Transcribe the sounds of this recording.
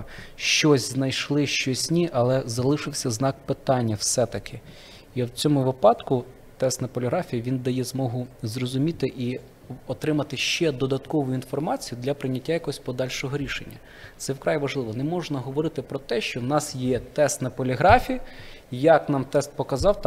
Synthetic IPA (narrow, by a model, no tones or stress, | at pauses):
ʃt͡ʃɔsʲznɐjʃlˠɪʃt͡ʃɔsʲnʲiʔɐlˠɛzɐlˠɪʃɪwsʲɐznɑk̚pɪt̪ɑnʲːɐwsɛt̪ɐkʰɪ | iwt͡sʲɔmʊʋɪpɑd̪kʊ | t̪ɛst̪nɐpɔlʲɪɦɾɑfʲijɐʋʲind̪ɐjɛzmɔɦʊzrɔzʊmʲit̪ɪʔi | ɔt̪ɾɪmɐt̪ɪʃt͡ʃɛd̪ɔd̪ɐt̪kɔʋʊjʊinfɔrmɑt͡sʲijʊd̪lʲɐpɾɪnʲɐtʲːajɐkɔɦɔsʲpɔd̪ɑlʲʃɔɦɔɾʲiʃenʲːɐ | t̪sɛwkɾɑjʋɐʒlˠɪʋɔnɛmɔʒnɐɦɔʋɔɾɪt̪ɪpɾɔt̪ɛʃt͡ʃɔwnɑsjɛt̪ɛst̪nɐpɔlʲɪɦɾɑfʲijɐ | jɐknɑmt̪ɛst̪̚pɔkɐzɑwt̪